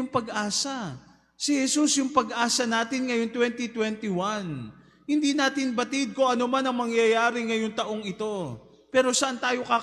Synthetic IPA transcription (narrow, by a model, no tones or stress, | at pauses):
ʊŋpɐɡʔaːsɐ | sɪhɛsusjʊŋpɐɡʔaːsɐnaːt̪ɪnŋɐjoŋt̪wɛnt̪it̪wɛnt̪ɪwan | hɪnd̪inaːt̪ɪnbɐt̪ɪd̪̚ko̞ʔɐnomanɐŋmɐŋjajaːɾɪŋɐjoŋt̪ɐʔo̞ŋɪt̪o̞ | pɛːɾo̞sɐʔant̪aːjo̞ka